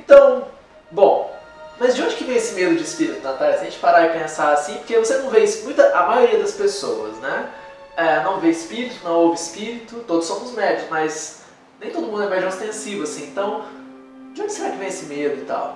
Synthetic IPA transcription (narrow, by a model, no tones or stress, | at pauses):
ẽt̪ɐ̃w̃ | bõw̃ | mɐzd͡ʒɪõd͡ʒɪkɪvẽj̃esɪmed̪ʊd͡ʒɪispiɾit̪ʊnat̪alɐsɐʒẽt͡ʃɪ̥paɾaɪpẽsaasĩpoɾkevosenɐ̃w̃veismũj̃t̪ɐʔamajoɾiɐd̪ɐspesowɐ̰znɛ | ɛnɐ̃w̃veɪspiɾit̪ʊnɐ̃w̃ovɪɪspiɾit̪ʊt̪od̪ʊsːõmʊzmɛd͡ʒʊsmɐz | nẽj̃t̪odʊmũd̪ɛmɛd͡ʒãɪst̪ẽsivʊasĩẽnt̪ɐ̃w̃ | d͡ʒɪõd͡ʒɪseɾakɪvẽj̃esɪmed̪ʊit̪a̰w